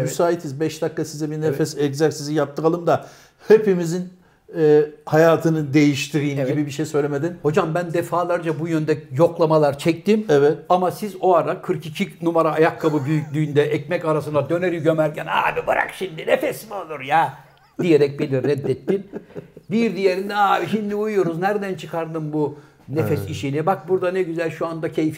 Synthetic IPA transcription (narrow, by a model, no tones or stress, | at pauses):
mysaːit̪ʰizbɛʃd̪akːasizɛbiɾnefɛsɛczak̪sizijap̚t̪ʰːɯkalˠɯmd̪a | hepimizin | ɛhajaːt̪ʰɯnɯd̪e̞jiʃt̪ʰiɾijimɟibibiʃejsø̞jlʲemed̪inho̞d͡ʒambænd̪efaːlˠaɾd͡ʒabujønd̪ɛjo̞klˠamalˠaɾt͡ʃʰɛc̚t̪imɛvɛt̪amasizoaɾakʰɯɾkicʰinumaɾaːjakʰːabɯbyjycʲlʲyːnd̪ɛʔɛcmɛcaɾasɯnd̪ad̪ø̞neɾiɟømæɾcæna̰ːbibɯ̰ɾa̰kʃind̪inefɛsimiolˠuɾja | d̪ijeɾɛc̚bilʲiɾːɛd̪ːɛt̪ːinbiɾd̪ijeɾind̪ɛaːbiʃind̪iujujo̞ɾuznæɾd̪ænt͡ʃʰɯkʰaɾd̪ɯmbu | nefɛsiʃinibak̚buɾd̪anɛɟyzælʲʃuand̪acʰejif